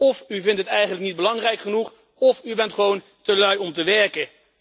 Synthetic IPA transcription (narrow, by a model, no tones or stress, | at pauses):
ɔfyvɪntɦətɛjχənləknid̚bəlɑŋrɛjkχənuχ | ɔfybɛntχəʋown | təlœɥɔmtəʋɛɹkə